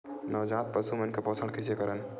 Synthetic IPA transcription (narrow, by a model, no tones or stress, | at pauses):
nəd͡ʒãt̪̚pəsumənkepɔsʰəɽ̃kʰisekəɾən